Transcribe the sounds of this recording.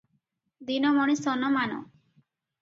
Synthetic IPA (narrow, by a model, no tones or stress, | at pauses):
d̪inɔmɔɽ̃isɔnːɔmanɔ̰